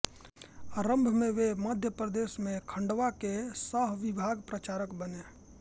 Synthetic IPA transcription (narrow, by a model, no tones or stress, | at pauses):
əɾəmbʱmẽʋeməd̪ʱjəpɾəd̪eːsmẽkʰə̃ɳɖʋakesəɦʋibʱaːɡpɾət͡ʃaːɾəkbəne